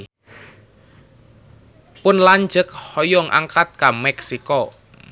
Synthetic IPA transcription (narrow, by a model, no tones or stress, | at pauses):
pʊnlaɲd͡ʒək̚hɔjɔŋʔa̰ŋkat̪̚kamɛksikɔ